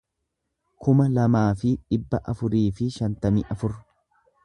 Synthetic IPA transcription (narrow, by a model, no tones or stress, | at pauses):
kʊmɐlɐmaːfɪᶑɪbːɐʔɐfʊɾiːfɪʃɐnt̪ɐmɪʔɐfʊɾ